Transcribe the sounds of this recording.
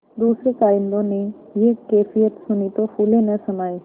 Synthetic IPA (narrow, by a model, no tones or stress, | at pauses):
d̪uːsɾekaːɪnd̪õne | jekeːfijət̪sʊnit̪ofuːlenɐsɐnaːi